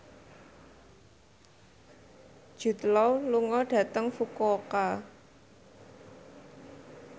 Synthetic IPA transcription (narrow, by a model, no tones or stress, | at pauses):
d̥ʒ̥ṳt̪lɔwluŋɔɖ̥ä̤t̪əŋfukɔka